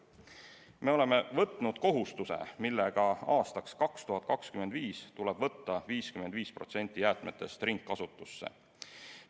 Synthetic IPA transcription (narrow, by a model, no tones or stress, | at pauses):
me̞o̞le̞me̞vɤt̪ːˑnud̪̥ko̞ɦust̪use̞̰milːeɡ̥ɑɑːst̪ɑkskɑkst̪uɦɑt̪̚ˑkɑkskymed̪viːst̪uleb̥vɤ̞t̪ːɑviːskymend̪viːspro̞t̪se̞nʲt̪ʲːˑijæːt̪ˑmet̪ːˑest̪riŋkːɑsut̪ːˑusːḛ